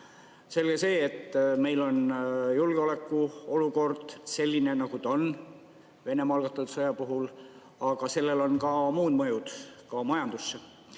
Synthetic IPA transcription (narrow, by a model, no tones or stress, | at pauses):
se̞lɡ̥ese̞ːt̪ːme̞jlo̞njulɡ̥eo̞le̞kːˑuo̞luko̞rd̪̥se̞lʲːine̞nɑɡ̥ut̪on | ve̞ne̞mɑlɡ̥ɑt̪ːˑud̪sɤjɑpuɦul | ɑɡ̥ɑse̞lːe̞lo̞nkɑmuːd̪mɤjud̪̥kɑmɑjɑnd̪̥usːe